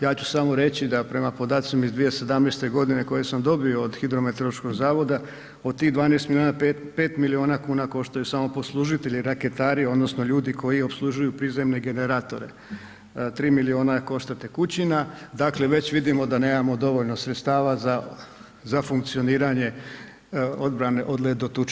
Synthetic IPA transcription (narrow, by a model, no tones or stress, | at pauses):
jaːt͡ɕu̥samo̞ɾe̞t͡ɕid̪apɾe̞mapo̞d̪aːt̪simaizd̪ʋije̞se̞d̪amneːst̪e̞ɡo̞d̪ine̞ko̞jesamd̪o̞bioːd̪xid̪ɾo̞met̪olˠoʃko̞ɡzaːʋo̞d̪a | od̪̚t̪iɣd̪ʋaːneːst̪milionpe | pe̞ːt̪milio̞ːnakuːnako̞ʃt̪ajusamo̞po̞slˠuʒit̪e̞ʎiɾake̞t̪aːɾio̞d̪no̞sno̞ʎuːd̪iko̞jio̞pslˠuʒujupɾiːze̞mne̞ɡe̞ne̞ɾaːt̪o̞ɾe̞̰ | t̪ɾiːmilio̞ːnako̞ʃt̪at̪ekut͡ɕinad̪akle̞ʋe̞t͡ɕʋid̪imo̞d̪ane̞ːmamo̞d̪o̞ʋoʎno̞sɾet̪st̪aːʋaza | zafuŋkt̪sio̞niːɾaɲe̞ | od̪bɾane̞ʔod̪led̪ot̪ut͡ʃ